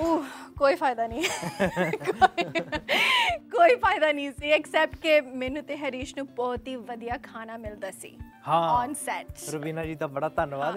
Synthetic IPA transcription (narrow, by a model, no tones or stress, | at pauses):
uːkoːiːpʰaːɪd̪aːnĩː | kː | koːiːpʰaːɪd̪aːnĩːsiːɛksɛːp̚ʈkemɛːnũːt̪eɦəɾiːʃnũːbɔːt̪iːʋəd̪ijaːkʰaːnaːmɪld̪aːsḭː | hãːɔːnsɛːʈsɾʊbiːnad͡ʒiːt̪ãbəɽaːt̪ənʋaːd̪